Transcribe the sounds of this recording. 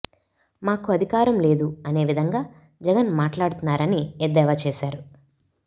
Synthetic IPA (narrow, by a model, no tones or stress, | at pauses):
maːkuɐd̪ʱikaːɾɐmle̞ːd̪uɐne̞ːʋid̪ʱɐŋɡaː | d͡ʒɛɡɐnmaːʈlaːɽt̪unːaːɾɐnied̪ɛːʋaːt͡ʃeːʃaːɾu